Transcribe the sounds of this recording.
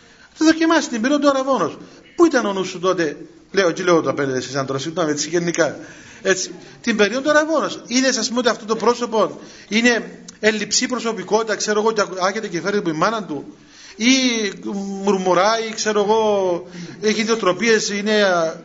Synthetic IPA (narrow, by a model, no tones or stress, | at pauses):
t̪iðo̞cimɐsit̪imbeɾiond̪ɐɾɐvo̞no̞s | puit̪ɐnonusːut̪o̞t̪e̞ | le̞ocileot̪oɐpeneðesesɐnd̪oɾɐsit̪ːomet͡sːiʝenːikɐ | e̞t͡sːi̥ | t̪imbe̞ɾiond̪oɐɾɐvo̞no̞siðes̬ɐspumot̪iɐft̪ot̪opɾo̞so̞po̞n | ine̞ːlːipsipɾoso̞piko̞t̪it̪ɐkse̞ɾoɣo̞ceɐçet̪ecefeɾit̪ipuimːɐnɐnt̪u | i | muɾmuɾaikse̞ɾoeɣo̞ | eçiðiot̪ɾo̞pie̞sine̞